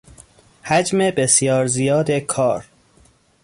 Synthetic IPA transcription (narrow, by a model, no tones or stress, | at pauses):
hæd͡ʒmebe̞sjɒːɾzijɒːd̪ekʰɒːɾ